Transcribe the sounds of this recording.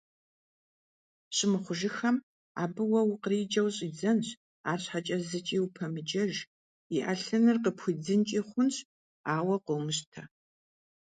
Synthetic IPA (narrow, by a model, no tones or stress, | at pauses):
ɕʼɪmɨχʷʊʒɪxɐm | a̰ːbɨwɐwqəriːd͡ʒɐwɕʼiːd͡zɐnɕ | aːrɕħat͡ʃʼɐzɨt͡ʃʼiːwpʰɐmɨt͡ʃɐʒ | iʔɐɬɐnɨrqəpʰxʷid͡zɨnt͡ʃʼiːχʷʊnɕ | aːwɐqəwmɨɕtʰɐ